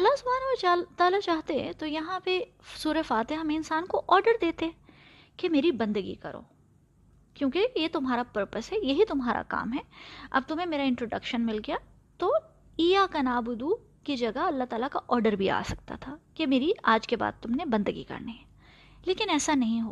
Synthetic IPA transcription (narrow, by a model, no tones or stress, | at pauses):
ɐlːasʊbʱaːɾt͡ʃat̪aːlat͡ʃaːɦt̪ḛ̃t̪ojɐɦãpe | suːɾefaːt̪eɦɐmẽɪnsaːnkoʔɔːɾɖəɾd̪eːt̪eɛ̃ | kemeːɾibɐ̃nd̪əɡḭkɐ̰ɾo̰ː | kjõːkejet̪ʊmɦaːɾapɐɾpəsɦɛjɐɦit̪ʊmɦaːɾa̰ka̰ːmɦɛːɐ̰b̚t̪ʊmɦẽmeːɾaɪ̃ɳʈɾoːɖɐ̰kʃənmɪlɡɐja | t̪oː | iːjakɐnaːbʊd̪u | kid͡ʒɐɡaɐlːaɦt̪aːlakaʔɔːɾɖəɾbʱia̰ːsɐk̚t̪a̰t̪ʰaːkemeːɾiaːd͡ʒkeba̰ːd̪̚t̪ʊmnebɐ̃nd̪əɡḭkɐ̰ɾniɦɛ | leːkɪnɛːsanɐɦĩɦo̰ː